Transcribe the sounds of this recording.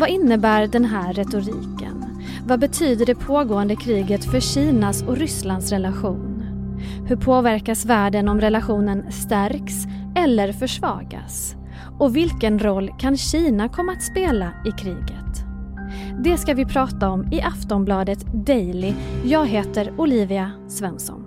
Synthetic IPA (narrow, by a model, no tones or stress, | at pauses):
vaɪnːəbæːɾɖɛnɦæːɛt̪ʊɾiːkə̰n | vabɛt̪ʰyːd̪əɖɛpʰoːɡoːənd̪əkʰɾiːɡət̪fœɕiːnasɔɾʏsland̪sɾɛlaɧuːn | hɵɾpʰoːvæɾkasvæːɖənɔmɾɛlaɧuːnənst̪æɾks | ɛlːəɾfœʂvɑ̰ːɡa̰s | ɔvɪlkənɾɔlːkʰanɕiːnakʰɔmːaat̪speːlaɪkʰɾiːɡət̪ | d̪ɛskavɪpʰɾɑːt̪aɔmɪʔaft̪ɔmblɑːd̪ət̪d̪ɛjlɪjɑːɡɦeːt̪əɾʊliːvɪa | svɛnsɔ̰n